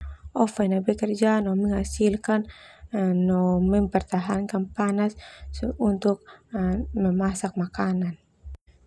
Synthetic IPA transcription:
ʔɔfanabɛkərd͡ʒanɔməŋasilkanː | ɔmɛmpərt̪aɦankanpanasunt̪uk̚ | məmasak̚makanan

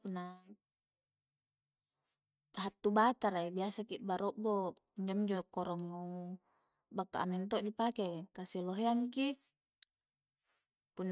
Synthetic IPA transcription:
punːa | ɦat̪ːubat̪aɾaibiasakiʔbaɾɔʔbo | iɲd͡ʒomiɲd͡ʒokɔɾɔŋnu | bakːa̰ʔa̰mɛnt̪̬ɔʔdipakekasiloɦeaŋki | punː

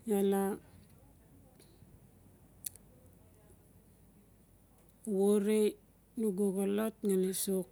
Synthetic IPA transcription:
jala | woɾe | nuɡoɡolotŋalesok

